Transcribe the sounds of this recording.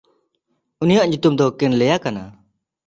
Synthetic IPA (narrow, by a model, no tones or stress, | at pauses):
unijaʔɲut̪umd̪ɔkɛnlɛjakana